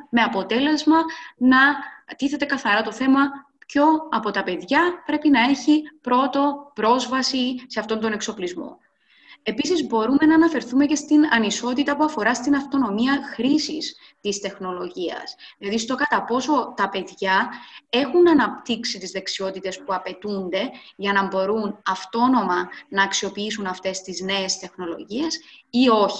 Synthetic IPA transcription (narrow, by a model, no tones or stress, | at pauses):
me̞ɐpo̞t̪e̞le̞zmɐnɐt̪iθe̞t̪e̞kɐθɐɾɐt̪o̞θe̞mɐ | pço̞ɐpo̞t̪ɐpe̞ðʝɐpɾe̞pinɐe̞çipɾo̞t̪o̞pɾo̞zvɐsise̞ɐft̪o̞nd̪o̞ne̞kso̞plizmo̞̰ | e̞pisizbo̞ɾume̞nɐːnɐfe̞ɾθume̞ce̞st̪inɐniso̞t̪it̪ɐpuɐfo̞ɾɐst̪inɐft̪o̞no̞miɐxɾisis | t̪ist̪e̞xno̞lo̞ʝiɐ̰sðilɐðist̪o̞kɐt̪ɐpo̞so̞t̪ɐpe̞ðʝɐe̞xunɐnɐpt̪iksit̪izðe̞ksio̞t̪it̪e̞spuɐpe̞t̪und̪e̞ʝɐnɐmbo̞ɾunɐft̪o̞no̞mɐnɐːksio̞piisunɐft̪e̞st̪izne̞est̪e̞xno̞lo̞̰ʝie̞sio̞çi̥